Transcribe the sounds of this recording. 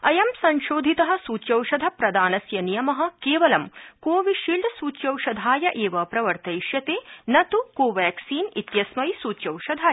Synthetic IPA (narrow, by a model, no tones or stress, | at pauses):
ɐjɐmsɐnʃoːd̪ʱit̪ɐɦɐ̆suːt͡ʃjɐwʃɐd̪ʱɐpɾɐd̪aːnɐsjɐnijɐmɐɦɐ̆keːʋɐlɐmkoːʋiʃiːlɖ̪suːt͡ʃjɐwʃɐd̪ʱaːjɐʔeːʋɐpɾɐʋɐɾt̪ɐjʃjɐt̪eːnɐt̪ukoːʋæːksiːnit̪jɐsmɐjsuːt͡ʃjɐwʃɐd̪ʱaːjɐ